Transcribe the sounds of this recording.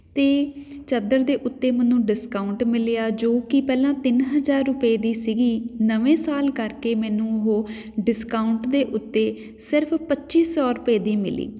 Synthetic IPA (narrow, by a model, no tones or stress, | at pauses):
t̪eːt͡ʃəd̪əɾd̪eːʔʊt̪ːeːmənũːɖɪskaːʊɳʈmɪlɪjaːd͡ʒoːkɪpɛːlãːt̪ɪnɦəzaːɾːʊpeːd̪iːsiɡiːnəʋẽːsaːlkəɾkeːmɛ̃ːnũːɦoː | ɖɪskaːʊɳʈd̪eːʔʊt̪ːeː | sɪɾəpʰpətːʃiːsɔːɾʊpeːd̪iːmɪ̰lḭː